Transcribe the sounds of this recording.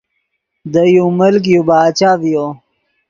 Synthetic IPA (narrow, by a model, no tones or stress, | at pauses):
d̪əjuməlk̬jubaːt͡ɕaːvijo